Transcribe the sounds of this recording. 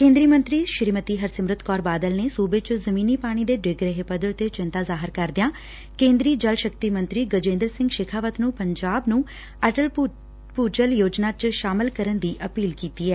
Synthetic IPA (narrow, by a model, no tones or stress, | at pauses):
kẽːnd̪ɾiːmə̃nt̪ɾiːʃɪɾmət̪iːɦəɾsəmɾɪt̪kɔːɾbaːd̪əlnesuːbeːt͡ʃzəmĩːniːpaːɽ̃iːd̪eːɖɪɡɾeɦepəd̪əɽt̪et͡ʃɪ̃nt̪aːzaːɦɪɾkəɾd̪ɪjãː | kẽːnd̪ɾiːd͡ʒəlʃək̚t̪iːmə̃nt̪ɾiːɡəd͡ʒẽːnd̪əɾsɪ̃ŋɡʃekʰaːʋət̪nũːpəɲd͡ʒaːbnũː | əʈəl | puːd͡ʒəljoːd͡ʒnaːt͡ʃʃaːmɪlkəɾənd̪iːʔəpiːlkiːt̪iːɛː